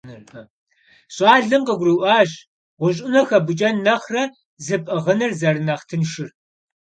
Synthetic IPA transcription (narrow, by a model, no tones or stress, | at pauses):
ɨrɐ | ɕʼɑːɮɨmqɐɡʷriʔʷɑːʑ | ʁʷʊɕʼɪnɐxɐbʊt͡ʃʼɐnːɐχrɐ | zɨpʼɐʁənɨrzɐrɨnɐχtʰɨnʃɪr